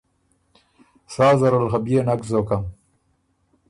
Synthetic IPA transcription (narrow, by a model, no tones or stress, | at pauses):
saːzɐɾalxabijenakzokam